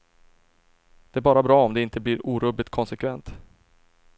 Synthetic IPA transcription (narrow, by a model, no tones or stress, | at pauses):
d̪̥ɛæɾbɑːɾabɾɑːɔmd̪ɛɪnt̪əblɪɾuːɾɵːblɪt̪̚kʰɔnsɛkʰvɛnt̪